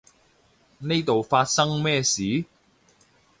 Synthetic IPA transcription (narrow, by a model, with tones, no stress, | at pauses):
ne˥jt̪o˨wfaː˧t̚sɐ˥ŋmɛː˥˧siː˨˥